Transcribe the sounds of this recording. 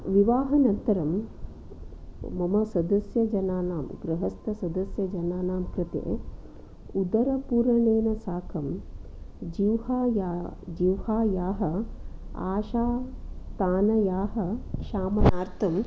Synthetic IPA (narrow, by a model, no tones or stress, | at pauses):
ʋiʋaːɦɐnɐnt̪ɐɾɐm | mɐmɐsɐd̪ɐsjɐd͡ʒɐnaːnaːmɡɾɐɦɐst̪ɐsɐd̪ɐsjɐd͡ʒɐnaːnaːmkɾɐt̪ḛː | ud̪ɐɾɐpuːɾɐneːnɐsaːkʰɐm | d͡ʒiwhaːjad͡ʒiwhaːjaːɦɐ̆ | a̰ːʃaːt̪aːnɐjaːɦɐkʂaːmɐnaːɾt̪ʰɐm